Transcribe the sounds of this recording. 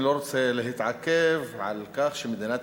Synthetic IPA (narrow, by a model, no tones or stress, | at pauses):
loːɾt̪selɪɦɪt̪ʕakːavʕa̰lkaːxʃɪmɪd̪inaːt̪